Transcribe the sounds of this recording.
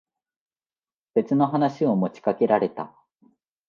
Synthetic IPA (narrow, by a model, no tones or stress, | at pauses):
b̥e̞t͡sɨno̞ɦanaɕio̞mo̞t͡ɕi̥kake̞ɾaɾe̞t̪a̰